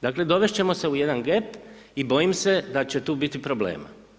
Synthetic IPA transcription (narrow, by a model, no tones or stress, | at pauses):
d̪akle̞d̪o̞ʋe̞ʃt͡ɕe̞mo̞se̞ujed̪anɡe̞pibo̞jimse̞d̪at͡ɕet̪uːbit̪ipɾo̞blḛːma̰